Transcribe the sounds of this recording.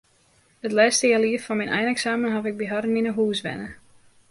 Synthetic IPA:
ətlɛːstəjaliəffɔnminʔɛ̰jnɛksaːmənɦɔfɪɡ̚biɦaɾəninəɦuːsʋɛ̰nə

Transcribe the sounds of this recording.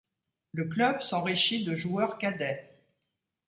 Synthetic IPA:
ləklœbsɑ̃ʁiʃid̪əʒuœʁkad̪ɛ

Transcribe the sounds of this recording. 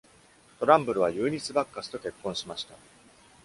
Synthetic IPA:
t̪o̞ɾãmbɯ̟ɾɯ̟βajɯ̟ːɲ̟it͡sɨbakːasɨ̥t̪o̞kʲe̞kːõɰ̃ɕimaɕi̥t̪a

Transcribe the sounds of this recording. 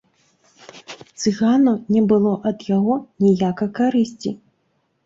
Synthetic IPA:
t̪sɨɣanunʲɛbɨlˠɔʔɐd̪jaɣɔnʲijakɐkaɾɨsʲt͡sʲḭ

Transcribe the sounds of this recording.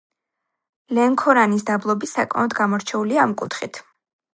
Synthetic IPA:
lɛŋkʰɔɾanisd̪ablˠɔbisakʼmɛ̰ɔd̪ɡamɔɾt͡ʃʰɛuliaːmkʼut̪ʰχit̪ʰ

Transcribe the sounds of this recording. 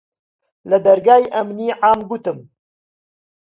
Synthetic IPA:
lɨd̪ɐɾɡaːjʔɐmniːʕaːmɡut̪ɨm

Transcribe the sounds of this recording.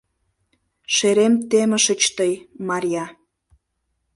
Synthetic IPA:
ʃeɾemt̪emə̆ʃət͡ɕt̪əjmɑɾʲjɑ

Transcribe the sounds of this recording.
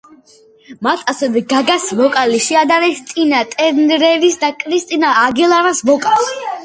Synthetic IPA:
mat̪ʰʼasɛvɛɡaɡasvɔkʼaliʃiad̪aɾɛst̪sʼinat̪ʼɛnɾɛɾisd̪akʼɾist̪ʼinaːɡilˠaɾasmɔkʼals

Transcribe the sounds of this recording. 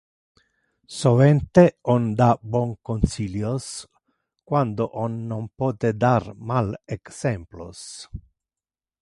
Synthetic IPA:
sovɛnt̪eɔnd̪abɔŋkonsiljos | kwand̪oʔɔnːompɔːt̪ed̪armaleksɛmplo̰s

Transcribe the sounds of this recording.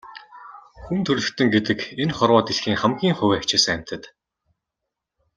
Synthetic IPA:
xunt̪ʰɵɮɵ̆kt̪ɵ̆ŋɡet̪ɘ̆kenχɔrwɔːt̪eɮxiːŋχamɡʲiːŋχʊwʲækt͡ɕɪːs̆ŋæm̥ʲt̪ʰə̆t̪

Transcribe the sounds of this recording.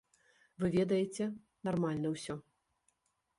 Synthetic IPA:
vɨvʲɛd̪ɐjet͡sʲɛ | narmalʲnɐwsʲɔ

